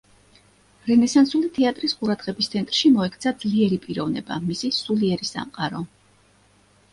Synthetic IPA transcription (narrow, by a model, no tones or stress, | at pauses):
ɾɛnɛsansulit̪ʰɛat̪ʼɾisqʼuɾad̪ʁɛbist̪sʰɛnt̪ʼɾʃimɔɛkʰt̪sʰad̪zliɛɾipʼiɾɔvnɛ̰ba̰misisuliɛɾisa̰mqʼaɾɔ